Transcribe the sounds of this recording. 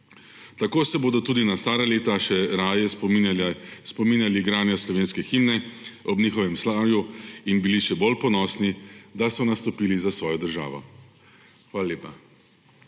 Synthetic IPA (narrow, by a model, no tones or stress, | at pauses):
t̪akoːsɛboːd̪ɔt̪uːd̪inast̪aːɾaleːt̪aʃɛɾaːjɛ | spɔmiːnjaliɡɾaːnjɔslɔʋeːnskɛximnɛɔbniːxɔʋɛmslaːʋjuinbiliʃɛbolpɔnɔːsnid̪asɔnast̪ɔpiːlizasʋɔːjɔd̪əɾʒa̰ːʋɔ̰ | xʋaːlaleːpa